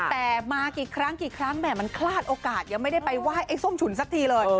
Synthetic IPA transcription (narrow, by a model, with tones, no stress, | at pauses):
t̪ɛː˨˩maː˧kiː˨˩kʰɾa˦˥ŋkiː˨˩kʰɾa˦˥ŋnɛː˥˩ma˧nkʰlaː˥˩t̪̚ʔoː˧kaː˨˩t̪̚ja˧ŋma˥˩jda˥˩jpa˧jwaː˥˩jʔa˧˥˩jso˥˩mt͡ɕʰu˩˦nsa˦˥k̚t̪ʰiː˧lɤː˧j